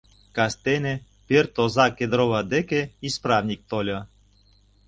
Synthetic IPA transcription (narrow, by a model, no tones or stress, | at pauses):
kɑst̪ene | pert̪ozɑked̪ɾoβad̪ekeisprɑvnʲik̚t̪olʲɤ